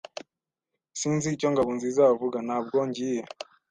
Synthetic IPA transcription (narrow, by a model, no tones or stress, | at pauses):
sinzit͡ʃɔŋɡaβunzizavuɡanabɡɔɲd͡ʒija